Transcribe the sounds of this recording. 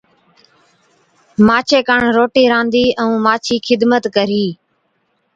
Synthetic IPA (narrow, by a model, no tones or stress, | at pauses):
maːt͡ʃʰeːkəɳɾoːʈiːɾãːnd̪iːʔəũːmaːt͡ʃʰiːkʰɪd̪mət̪kəɾiː